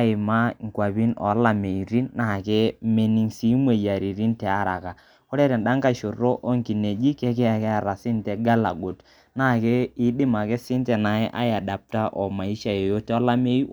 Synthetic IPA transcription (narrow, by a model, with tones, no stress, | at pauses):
a˦ɪ˨ma˦ŋ̩˨kwa˨bi˦nɔ̰˨˦la˨me˨i˨ɾi˦nːa˦˨ke˦me˦ni˦ŋsi˦mwe˨ja˨ɾi˨ɾi˦ntɛ˨a˦ɾa˨ka˨ | ko˦ɾe˦ɾe˨nɗa˦ŋka˦˨ʃo˨ro˦ʔo˦ŋki˨ne˨d͡ʒi˦ke˦kɛ˦a˨kɛ˦a˨ɾa˨sɪ˦nte˨ɡa˦la˨ɡo˨t | na˦˨ke˦ɪ˦dɪ˦ma˨ke˦sɪ˦ntɛ˨na˨ɪ˦ʔa̰˦ja˨da˨p̚ta˦ʔɔ˨ma˨i˦ʃa˨je˨jo˦te˦ɔ˦la˦me˦i˦